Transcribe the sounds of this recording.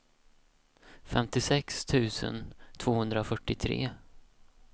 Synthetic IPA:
fɛmt̪ɪsɛkst̪ʰʉ̟ːsə̰nt̪ʰv̥oːhɵnd̪ɾafœʈːɪt̪ʰɾḛː

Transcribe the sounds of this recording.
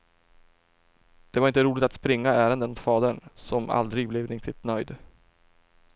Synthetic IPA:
d̪̥ɛvaɾɪnt̪əɾuːlɪt̪at̪spɾɪŋːaæːɾənd̪ənmʊt̪fɑːd̪əɳsɔma̰ld̪ɾɪɡblɛvɾɪŋt̪ʰɪt̪nœjd̪

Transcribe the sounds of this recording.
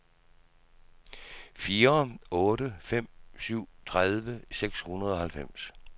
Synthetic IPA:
fiːɐɔ̽ːɾəfem̰syʊ̰t͡sʰʁaðˠʋəseɡ̥shunɐð̞ˠɒ̽hælfem̰s

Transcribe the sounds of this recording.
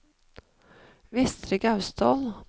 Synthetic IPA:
vɪst̪ɾɪɡɑʉst̪ʰoːl

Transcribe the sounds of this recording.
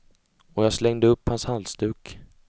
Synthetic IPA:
ɔjɑːɡslɛŋd̪əɵpːhanshalst̪ʉ̟ːk

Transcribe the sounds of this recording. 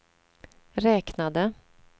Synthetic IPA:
ɾɛːknad̪ə

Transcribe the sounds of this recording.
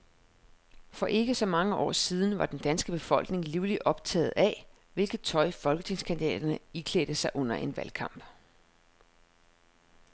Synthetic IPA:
fɒ̽ʔe̝ɡ̥əsɒ̽mɑ̈ŋəʔɒ̰ːsiːð̞ˠn̩ʋɑ̈d̥end̥ænsɡ̥əb̥e̝fɒ̽l̰ɡ̥ne̝ŋliːʊliʔɒ̽b̥t͡sʰɛ̰ːð̞̩ˠæ | ʋe̝lɡ̥ð̩ˠt͡sʰɒ̽ɪfɒ̽lɡ̥ət͡sʰe̝ŋskʰændid̥ɛ̰ːd̥ɐnəikʰlḛːd̥əsɑ̈ɪʔɔ̽n̰ɐʔe̝nʋælkʰɑ̈m̰b̥

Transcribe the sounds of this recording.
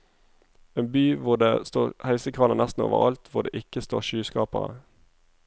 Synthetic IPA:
eːnbyːʋʊʁd̪eːst̪oːʁhæɪsəkʰʁɑlənæst̪n̩o̰ːʋə̰ʁɑlt̪ʰʋʊʁdeːʔɪkəst̪oːʁʃyːskɑːpəʁə̰

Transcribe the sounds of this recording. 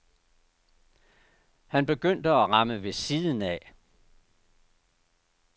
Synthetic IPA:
hænb̥e̝ɡ̥øn̰d̥əæʁɑ̈məʋe̝siːðˠn̩ɛ

